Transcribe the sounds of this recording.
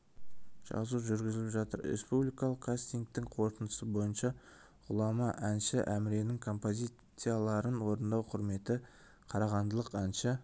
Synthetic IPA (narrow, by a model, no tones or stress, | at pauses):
ʒ̥ɑ̰zuʒʏɾɡʲɪzɪlɪpʒɑt̪əɾɾḛspublijkɑlˠəqkʰːast̪ijnk̚t̪ɪŋqʰo̞ɾt̪ənd̪əsəbo̞jənʃɑ | ʁʊlˠɑmɑʔænʃɪʔæmɪɾe̞nɪŋkʰo̞mpo̞zʲisɨjalˠɑɾənwo̞ɾənd̪ɑwqʰʊɾme̞t̪ɪ | qʰɑɾɑʁɑnd̪əlˠəqænʃɪ